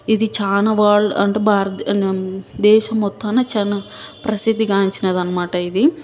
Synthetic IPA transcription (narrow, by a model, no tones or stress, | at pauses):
id̪it͡ʃaːnɐʋaːɭɐ̰ɳʈebʱaːɾɐt̪ | d̪ɛːʃɐmɔt̪ʰːɐːnːɐt͡ʃɐnːɐpɾɐsid̪ʱːiɡaːɲt͡ʃinɐd̪ɐnːɐmaːʈɐid̪i